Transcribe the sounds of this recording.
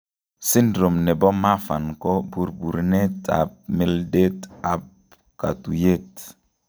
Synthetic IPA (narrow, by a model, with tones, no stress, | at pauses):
si˦ndɾo˨mnɛ˨bɔ˦ma˦fa˨nkɔ˦bu˨ɾbu˨ɾnɛ˦ta̰˨p̚mi˨lde˦ta˨p | ka̰˨tu˨je˦t